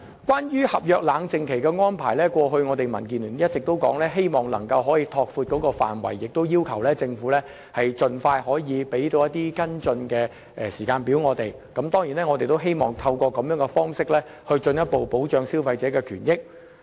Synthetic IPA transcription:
kʷwʷaː˥njyː˥hɐ˨p̚jœː˨k̚laː˨˧˥ŋt͡sɪ˨ŋkʰe˨˩jkɛː˧ŋɔː˥npʰa̰ː˨˩jlɛː˥kʷɔː˧ɦɵ˧ɥŋɔː˨˧t̪e˨jmɐ̰˨˩nk̬iː˨˩nlyː˨˩njɐ˥t̚t͡sɪ˨k̚t̪o˥wkɔ̰ː˨˥ŋlɛː˥ɦe˥jmɔː˨˩ŋlɐ̰˨˩ŋkɐ˧wɦɔː˨˥jiː˧t̪ʰɔː˧k̚fuː˧t̚kɔː˨˥kɔː˧fa̰ː˨˩nwɐ̰˨˩jːɪ˨k̚t̪o˥wjiː˥wkʰɐ˨˩wlɛː˥t͡sɪ˧ŋfuː˨˥lɛː˥ | hɐ˨jt͡ʃɵ˨˧nfaː˧jhɔː˨˥jiː˨˧pe˨˥jt̪o˧wjɐ˥t̪ːiː˥kɐ˥nt͡ʃɵ˧nkɛː˧ | ʔɛ˨˩siː˨˩kaː˧npiː˨˥wŋɔː˨˧t̪e˨j | kɐ˨˥mt̪ɔː˥ŋjiː˨˩nɛː˥ŋɔː˨˧t̪e˨jt̪o˥wɦe˥jmɔː˨˩ŋt̪ʰɐ˧wkʷɔː˧kɐ˨˧mjœː˨˥ŋɛ˧fɔː˥ŋsɪ˥k̚lɛː˥ | hɵ˧t͡ʃɵ˧njɐ˥t̚po˨wpo˨˥wt͡ʃœː˧ŋsiː˥wfɐ˧jt͡sɛː˨˥kɛː˧kʰyː˨˩njɪ˥k̚

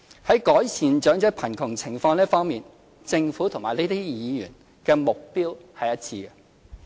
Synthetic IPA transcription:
hɐ˨˥jkɔː˨˥jsiː˨nt͡ʃœː˨˥ŋt͡sɛː˨˥pʰɐ˨˩nkʰʊ˨˩ŋt͡sʰɪ˨˩ŋfɔː˧ŋlɛː˥fɔː˥ŋmiː˨n | t͡sɪ˧ŋfuː˨˥t̪ʰʊ˨˩ŋmaː˨˩le˥t̪iː˥jiː˨˧jy̰ː˨˩n | kɛː˧mʊ˨k̚piː˥whɐ˨jɐ˥t̚t͡sʰiː˧ɐ˧

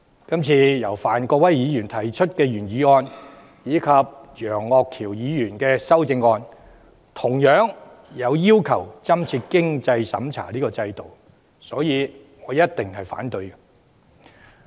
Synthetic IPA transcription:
kɐ˥mt͡sʰiː˧jɐ˨˩wfaː˨˩nkɔː˧k̚wɐ˥jːiː˨˧jyː˨˩nt̪ʰɐ˨˩jt͡ʃʰɵ˥t̚kɛː˧jyː˨˩njiː˨˧ŋɔː˧n | jiː˨˧kʰɐ˨p̚jœː˨˩ŋːɔː˧k̚kʰiː˨˩wjiː˨˧jyː˨˩nkɛː˧sɐ˥wt͡sɪ˧ŋːɔː˧n | t̪ʰʊ˨˩ŋjœː˨˥ŋ | jɐ˨˧wjiː˥wkʰɐ˨˩wt͡sɐ˥mt͡sʰiː˧t̚kɪ˥ŋt͡sɐ˧jsɐ̰˨˥mt͡sʰa̰ː˨˩liː˥kɔː˧t͡sɐ˧jt̪o˨w | sɔː˨˥jiː˨˧ | ŋɔː˨˧jɐ˥t̚t̪ɪ˨ŋhɐ˨jfa̰ː˨˥nt̪ɵ˧ɥ

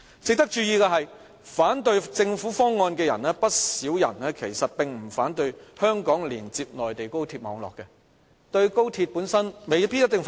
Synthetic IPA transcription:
t͡sɪ˨k̚t̪ɐ˥k̚t͡ʃyː˧jiː˨˧kɛː˧ɦɐ˨j | faː˨˥nt̪ɵ˧ɥt͡sɪ˧ŋfuː˨˥fɔː˥ŋːɔː˧nkɛː˧jɐ̰˨˩nɛː˥pɐ˥t̚siː˨˥wjɐ̰˨˩nɛː˥kʰe˨˩jsɐ˨t̚pɪ˨ŋm̩˨˩fa̰ː˨˥nt̪ɵ˧ɥhœː˥ŋkɔː˨˥ŋliː˨˩nt͡siː˧p̚nɔː˨jt̪e˨jko˥wt̪ʰiː˧p̚mɔː˨˥ŋlɔ̰ː˨kːɛ˧ | t̪ɵ˧ɥko˥wt̪ʰi˧t̚puː˨˥nsɐ˥nme˨jpi˥jɐ˥t̪ɪ˨ŋf

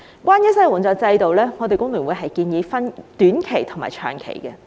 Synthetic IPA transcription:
kwaː˥njɐ˥s̬ɐ˥jwɔ˨˩nt͡sɔː˨˧k̚t͡sɐ˧jt̪o˨wlɛː˥ŋɔː˨˧t̪e˨jkʊ˥ŋly˨˩wu˨˧ɦɐ˨jkiː˧njiː˨˧˥fɐ˥nt̪yː˨˥nkʰe˨˩jt̪ʰʊ˨˩ŋma̰ː˨˩jt͡ʃʰœ̰ː˨˩ŋkʰḛ˨˩jkɛ˧

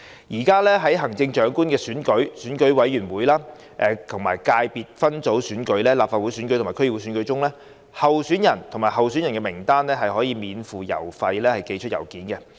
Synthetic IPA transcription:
jiː˨˩kaː˥lɛː˥ɦɐ˨˥jɦɐ˨˩ŋt͡sɪ˧ŋt͡ʃœː˨˥ŋkuː˥nkɛː˧syː˨˥nkɵ˨˥ɥsyː˨˥nkɵ˨˥ɥwɐ˨˥jyː˨˩nwuː˨˥jlaː˥ | ʔɛː˨t̪ʰʊ˨˩ŋmaː˨˩jkaː˧jpiː˨t̚fɐ˥nt͡so˨˥wsyː˨˥nkɵ˨˥ɥlɛː˥laː˨p̚faː˧t̚wu˨˥jsyː˨˥nkɵ˧˥t̪ʰaː˨˩kʰɥ̚u˨˥syː˨˥nkɵ˨˥ɥt͡sʊ˥ŋlɛː˥ | hɐ˨wsyː˨˥njɐ˨˩nt̪ʰʊ˨ŋmaː˨˩jɦɐ˨wsy˨˥njɐ˨˩nkɛː˧mɪ˨˩ŋt̪aː˥nlɛː˥ɦɐ˨jɦɔː˨˥jiː˨˧miː˨˧nfuː˨jɐ̰˨˩wfɐ˧jlɛː˥hɐ˨jke˧jt͡ʃʰt̚jɐ˨˩wkiː˨˥nkɛ˧

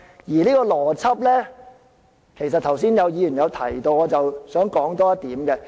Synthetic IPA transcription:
jiː˨˩nliː˥kɔː˧lɔː˨˩t͡sʰɐ˥p̚lɛː˥ | kʰe˨˩js̬ɐ˨t̚t̪ʰɐ˨˩wsiː˥njɐ˨˧wjiː˨˧jyː˨˩njɐ˨˧wt̪ʰɐ̰˨˩jt̪o˧wɔː˨˧t͡sɐ˨wsœː˨˥ŋkɔː˨˥ŋt̪ɔː˥ɐ˥t̪̚iː˨˥mkɛ˧

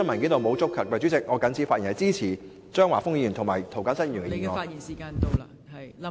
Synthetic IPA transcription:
ɐ˥nmɐ˨˩nkiː˨˥nt̪o˨˧wmo˨˧wt͡sʊ˥kʰɐ˨˩kːɛː˧t͡ʃyː˨˥t͡sɪ˨k̚ŋɔː˨˧kɐ˨˧nt͡sʰiː˧˥faː˧ji˨˩nhɐ˨˧jt͡siː˥t͡sʰiː˨˩ | t͡ʃœː˥ŋwaː˨˩fʊ˥ŋjiː˧jyː˨˩nt̪ʰŋmaː˨˩jt̪ʰo˨˩wkɐ˨˥nsɐ˥njy˨nkɛ˧iː˨˩ŋŋɔː˧˨˩i˨aː˧˨

